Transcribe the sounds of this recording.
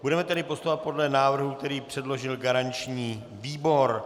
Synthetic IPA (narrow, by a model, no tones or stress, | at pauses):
budɛmɛt̪ɛɾɪpost̪ouvat̪̚po̞dlɛnaːvr̩ɦuk̚t̪ɛɾiːpr̝̥ɛdlo̞ʒɪlɡaɾant͡ʃɲiː | viːbo̞ɾ